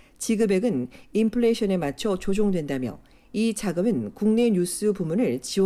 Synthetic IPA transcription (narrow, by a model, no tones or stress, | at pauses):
t͡ɕiɡɯbe̞ɡɯnimpʰɯɭe̞ɕʰʌne̞mat͡ɕʰʌt͡ɕod͡ʑoŋdwe̞ndamjʌ̰ | it͡ɕaɡɯmɯnkuŋne̞ɲjus͈ɯpumunɯɭt͡ɕiw